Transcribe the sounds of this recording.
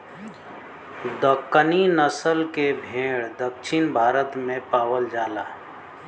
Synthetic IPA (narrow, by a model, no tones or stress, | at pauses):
d̪əkːəninəsəlkebʱẽːɽd̪əkʃʰɪnbʱaːɾət̪mẽpaːwəld͡ʒaːlaː